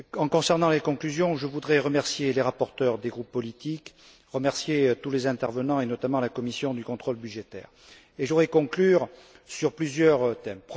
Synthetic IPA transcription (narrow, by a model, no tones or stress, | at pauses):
ɑ̃kɔ̃sɛʁnɑ̃lekɔ̃klyzjɔ̃ʒəvud̪ʁɛʁəmɛʁsjeleʁapɔʁt̪œʁd̪eɡʁupːɔlit̪ik | ʁəmɛʁsjet̪ulezɛ̃t̪ɛʁvənɑ̃enɔt̪amɑ̃lakɔmisjɔ̃d̪ykɔ̃t̪χɔlbyʒet̪ɛ̰ːʁ | eʒuʁɛkɔ̃klyʁ | syʁplyzjœʁt̪ɛmpχ